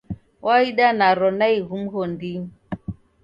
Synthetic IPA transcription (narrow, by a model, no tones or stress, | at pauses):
waiɗanaɾɔnaiɣum̩ɦondiŋ